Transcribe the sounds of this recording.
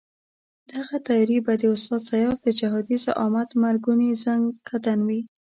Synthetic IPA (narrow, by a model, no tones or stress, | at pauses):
d̪̥aɣat̪ɑjɑɾibad̪əʊst̪ɑd̪sajɑfd̪əd͡ʒaɦɑd̪izaʔɑmat̪maɾɡunezaŋɡkʰad̪anwi